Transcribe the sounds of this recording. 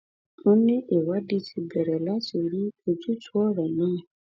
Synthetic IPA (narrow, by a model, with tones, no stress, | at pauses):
o˦nĩ˦ʔe˨wa˦di˦ti˧bɛ˨ɾɛ˨la˦ti˨ɾi˦o˨d͡ʒu˦tu˦ɔ˦ɾɔ˨nɔ̃˦˨